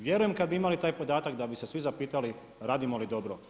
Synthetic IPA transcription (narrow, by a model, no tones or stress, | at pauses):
ʋje̞ɾujemkad̪biimalit̪aːjpo̞d̪aːt̪akd̪abise̞sʋizapiːt̪ali | ɾaːd̪imolid̪o̞bɾo